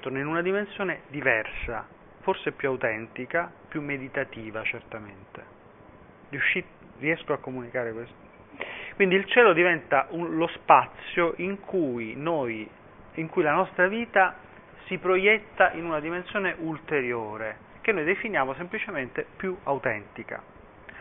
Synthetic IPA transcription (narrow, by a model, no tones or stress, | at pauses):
t̪oɾnoinunad̪imensjoːned̪ivɛrsa | forseɛpjuawt̪ɛnt̪ikapjumːed̪it̪at̪iːvat͡ʃert̪ament̪e | rijuʃːi | riɛskoakːomunikaːɾekwest̪ | kwind̪ilt͡ʃɛːlod̪ivɛnt̪aʔulospat̪sːjoʔiŋkʰujnoj | iŋkujlanɔst̪ɾaviːt̪a | sipɾojɛt̪ːaʔinunad̪imensjoːneʔult̪eɾjoːɾe | k̟enːojd̪efinjaːmosemplit͡ʃement̪epjuawt̪ɛnt̪ika̰